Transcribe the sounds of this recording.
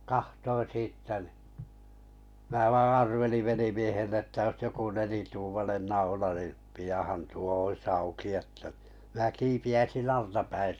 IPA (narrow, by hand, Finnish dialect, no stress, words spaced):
kɑhtoin̞ siːtːæ nĭ mæː ʋɑː ɑrʋeliʋ ʋelimiehelːe tːæ ois joku nelituːmɑnen nɑulɑ ni pijɑˑhɑn tuo ois ɑuki etːæ n̥i̥ mĭnæ kiːpiæisin ɑltɑpæin̞